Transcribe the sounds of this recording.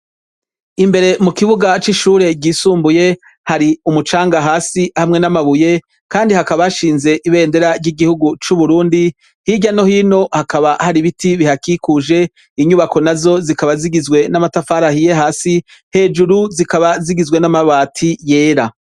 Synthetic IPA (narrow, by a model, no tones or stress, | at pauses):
imbe̞ɾe̞mukiβuɡat͡ʃiʃuːɾe̞ɟiːsuːmbuje̞ | haɾiumut͡ʃaːŋɡaɦaːsihamŋe̞namaβuje̞ | kaːndihakaβaʃiːnze̞ʔiβe̞ːnde̞ɾaɾɟiɡihuɡut͡ʃuβuɾuːndi | hiɟano̞hiːno̞hakaβahaɾiβitʰiβihakikuʒe̞ | iɲuβako̞nazo̞zikaβaziɡizɡwe̞namatafaɾahije̞ɦaːsi | he̞ːd͡ʒuɾuzikaβaziɡizwe̞namaβaːtʰije̞ːɾa